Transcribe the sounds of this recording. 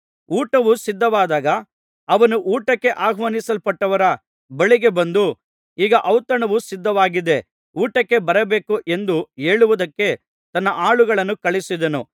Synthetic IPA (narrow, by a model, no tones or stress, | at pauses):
uːʈɐʋusid̪ʱːɐʋaːd̪aːɡɐː | ʋɐnuʔuːʈɐkːe̞ʔaːɡʱʋɐːnisɐlpɐʈːɐʋɐɾɐ | bɐɭiɡe̞bɐnd̪u | iːɡɐʔɐwt̪ɐɳɐʋusid̪ʱːɐʋaːɡid̪e̞ | uːʈɐkːe̞bɐɾɐbe̞ːkuʔe̞nd̪ueːɭuʋud̪ɐkːe̞ | t̪ɐnːɐʔaːɭuɡɐɭɐnːukɐɭisid̪ɐnu